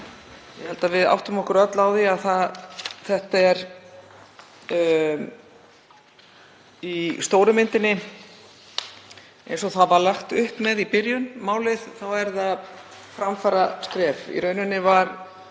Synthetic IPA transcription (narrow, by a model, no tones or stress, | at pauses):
jɛhɛlt̪avɪða̰wht̪ʏmɔhkʏɾœt̪lawðiaðθaðθɛht̪aɛɾ | ist̪oːwɾʏmɪnt̪ɪnːɪ | ḛjnsɔθaðvaɾlaxt̪ʏhpmɛðipɪɾjʏnmaːwlɪðθawɛɾðað | fɾamfaɾaskɾɛːfḭɾœɥnʏnːɪvaɾ̥